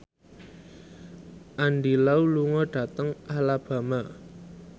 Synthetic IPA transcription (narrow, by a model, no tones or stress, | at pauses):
ʔanɖilauluŋɔɖ̥ä̤t̪əŋʔalab̥ä̤ma